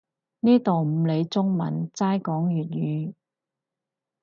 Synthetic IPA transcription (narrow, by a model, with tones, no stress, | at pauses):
niː˥t̪o˨wm̩˨˧le˨˧jt͡sʊ˥ŋmɐ˨˩nt͡saː˥jkɔː˨˥ŋjyː˨t̚jyː˨˧